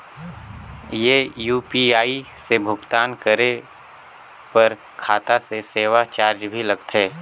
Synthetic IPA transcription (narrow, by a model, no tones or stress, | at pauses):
jeːjuːpiaːisebʱʊɡt̪aːnkəɾe | pɐɾ | kʰaːt̪aseseːʋat͡ʃaːɾd͡ʒbʱilɐɡt̪ɦɛː